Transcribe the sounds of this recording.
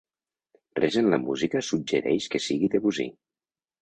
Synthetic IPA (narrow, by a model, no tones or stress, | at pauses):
reʒenləmuzikəsub̚d͡ʒəɾɛʃkəsiɣid̪eβuzḭ